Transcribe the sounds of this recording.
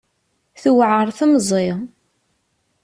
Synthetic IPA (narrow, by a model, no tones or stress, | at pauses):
θuwʕəɾˤθəmzˤɪ